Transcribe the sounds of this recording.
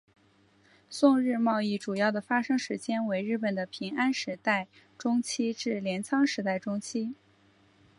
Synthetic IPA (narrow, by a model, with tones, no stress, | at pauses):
sʊ˥˧ŋɻɻ̩˥˧mɑ˥˧ʊi˥˩ʈ͡ʂu˨˩jɑ˥˩ʊd̪ə˩fa˥ʂɤ˥ŋʂɻ̩˧˥t͡ɕjɛ˥nwe˧˥ɪɻɻ̩˥˩pə˨˩nd̪ə˦pʰi˧˥ŋa˥nʂɻ̩˧˥t̪a˥˩ɪ | ʈ͡ʂʊ˥ŋt͡ɕʰi˥ʈ͡ʂɻ̩˥˩ljɛ˧˥nt͡sʰɑ˥ŋʂɻ̩˧˥t̪a˥˩ɪʈ͡ʂʊ˥ŋt͡ɕʰi˥